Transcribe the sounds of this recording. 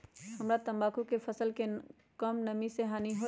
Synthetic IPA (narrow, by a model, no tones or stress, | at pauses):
həmɾat̪ɐ̃mbaːkũkefʰəsəlke | kəmnɐmiseɦaːniɦo